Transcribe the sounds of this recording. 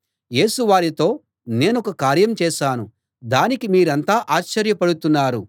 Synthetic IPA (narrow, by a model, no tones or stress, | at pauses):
je̞ːsuʋaːɾit̪o̞ː | ne̞ːnɔkɐkaːɾjɐmt͡ʃɛːʃaːnu | d̪aːnikimiːɾɐnt̪aːʔaːt͡ʃːɐɾjɐpɐɽut̪unːaːɾu